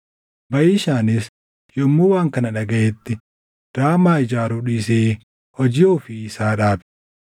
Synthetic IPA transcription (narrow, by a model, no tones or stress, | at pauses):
bɐjɪɪʃaːnɪs | jɔmːuːwaːŋkɐnɐᶑɐɡɐʔɛt̪ːɪ | d̪̥aːmaːɪd͡ʒaːɾuːᶑiːseː | hɔd͡ʒɪoːfɪːsaːᶑaːbɛ